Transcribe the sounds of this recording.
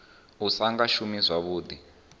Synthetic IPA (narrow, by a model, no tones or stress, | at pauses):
usaŋɡaʃumizwaβuːdi